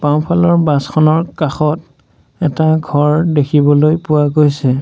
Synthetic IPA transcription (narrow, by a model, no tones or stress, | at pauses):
paʊ̃pʰalɔɹbaskʰɔnɔɹkaxɔt | ɛtaɡʱɔɹdekʰibɔlojpʊwaɡojsɛ